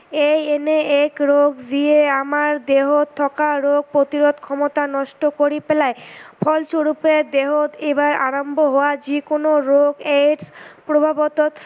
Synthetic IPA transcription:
ejeneekɾoɡzieamaɾd̪eɦot̪ʰɔkaɾoɡ̚pɾot̪iɾod̪kʰɔmot̪anɔʃʈokoɾipelaepʰɔlʃoɾupɾed̪eɦot̪ebaɾaɾombʱoɦooad͡ʑikonoɾoɡeɖspɾobʱabot̪ot̪

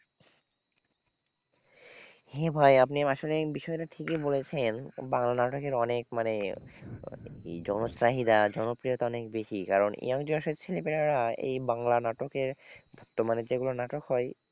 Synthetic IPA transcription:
hebʱajap̬niaʃolebiʃɔeɾaʈʰikebolet͡ɕʰenbaŋlanaʈokeɾɔnekmane | ḛjd͡ʑɔnosɾaɦid̪ad͡ʑɔnopɾijot̪aɔnekbeʃikaɾonḭjaŋd͡ʑoʃot͡ɕʰelepeɾaɾaḛjbaŋlanaʈokeɾbʱɔɾt̪ːomaned͡ʑeɡulonaʈokɦɔe

